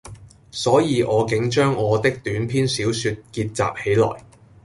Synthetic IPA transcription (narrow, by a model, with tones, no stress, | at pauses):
sɔː˨˥jiː˨˧ʔɔː˨˧kɪ˨˥ŋt͡ʃœː˥ŋɔː˨˧t̪ɪ˥k̚t̪yː˨˥npʰiː˥nsiː˨˥wsyː˧t̚kiː˧t̚t͡sa̰ː˨p̚he˨˥jlɔ̰ː˨˩j